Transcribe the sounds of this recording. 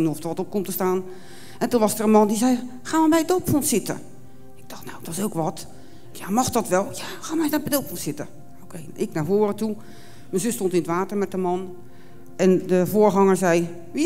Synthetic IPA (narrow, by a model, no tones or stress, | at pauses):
nuɔfdərʋɔtop̚komtəstaːn | ʔɛntunʋɔsərənmɑndizɛj | xaːmabɛjdowpfontsɪtə̰ | ɪɡ̚d̥ɔxtnawdɔsowkʋɔt | jamɔxdɔtʋɛlˠjaxaːnmajabɛjdowpfontsɪtə | okʰejʔɪk̚nafoːɾətu | mɛnzøstontɪnətʋaːtərmɛt̚dəmɔn | ɛndəfoːərɦɑŋəɹzɛj | ʋi